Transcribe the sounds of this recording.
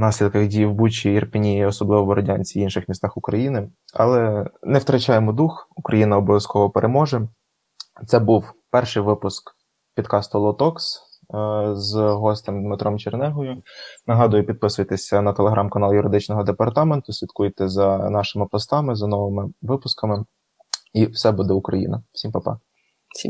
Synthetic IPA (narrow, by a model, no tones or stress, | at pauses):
nɑsʲlʲid̪kɐɣdʲijiwbut͡ʃʲiirpenʲijiɔsɔblˠɪʋɔbɔɾɔdʲanʲt͡sʲiwinʃɪxmʲist̪ɑxʊkɾɐjinɪ | ɐ̰lˠɛnɛwt̪ɾɐt͡ʃɑjemɔd̪uxukɾɐjinɐɔbɔʋjɐskɔʋɔpeɾʔemɔʒɛ | t̪sɛbuwpɛrʃɪjʋɪpʊsk | pʲid̪kɑst̪ʊlˠɔt̪ɔks | zɦɔsʲt̪emd̪met̪ɾɔmt͡ʃernɛɦɔjʊnɐɦɑd̪ʊjʊpʲid̪̚pɪsʊjt̪esʲɐnɐt̪eleɦɾʔɑmkɐnɑlˠjʊɾɪd̪ɪt͡ʃnɔɦɔd̪epɐrt̪ɑment̪ʊsʲʋʲit̪̚kujt̪ɛzɐnɑʃɪmɪpɔst̪ɑmɪzɐnɔʋɪmɪʋɪpʊskɐmɪ | iwsɛbud̪ɛʊkɾɐjḭnɐfsʲimpɐpɑ̰ | sʲi